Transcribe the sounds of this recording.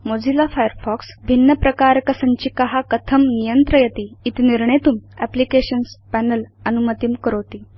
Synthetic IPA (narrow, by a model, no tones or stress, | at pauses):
mod͡zʱilafajəɾfɔksbʱinːəpɾəkaɾkəsəɲt͡ɕiːkəɦakət̪ʰəmnijənt̪ɾəjət̪iːt̪iniɾɳet̪uːmæplikeɕənspænələnumət̪imkəɾot̪i